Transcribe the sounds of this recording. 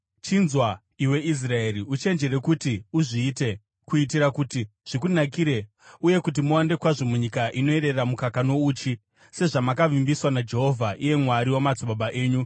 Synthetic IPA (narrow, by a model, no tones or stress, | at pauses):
t͡ʃinzwa | iwe̞is̬rae̞ɾiut͡ʃe̞nd͡ʒe̞ɾe̞kutiuʐiːte̞ | kuit̬iɾakutiʐ̥ikunakiɾe̞ | uje̞kut̬imuwande̞kwaʐo̞muɲikaʔino̞eɾe̞rramukakano̞uːt͡ʃi | se̞ʐamakaʋimbiswanad͡ʒe̞ɦo̞vʱaʔije̞mwaɾiwamad͡zuɓaɓaʔe̞ːɲu